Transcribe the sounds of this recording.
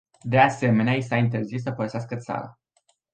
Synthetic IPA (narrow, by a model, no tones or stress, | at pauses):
d̪e̞ase̞me̞neaisaint̪̬e̞rzis̬ːəpəɾəseaskət̪sa̰ɾa̰